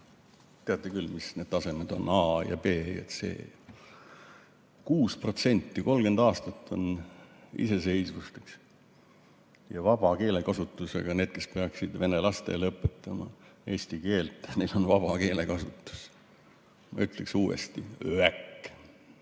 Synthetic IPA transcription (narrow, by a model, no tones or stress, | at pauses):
t̪eɑt̪ːˑekylːmisne̞d̪̥t̪ɑse̞med̪̥o̞̰nɑːjɑ̰pe̞ːḛt̪se̞̰ː | kuːspro̞t̪se̞nʲt̪ːiko̞lɡ̥e̞nd̪ɑːst̪ɑt̪ːo̞n | ḭse̞se̞jsvust̪eks | jɑvɑb̥ɑke̞ːle̞kɑsut̪ːˑuse̞̰ɡ̥ɑne̞ːd̪̥̚ke̞speɑksid̪ve̞nelɑst̪e̞̰lɤpːˑe̞t̪ːˑɑmɑ̰e̞ːsʲt̪ike̞ːlt̪ːˑnejlo̞nvɑb̥ɑke̞ːle̞kɑsut̪ːˑu̥s | mɑ̰yt̪ˑleksuːḛst̪iøækː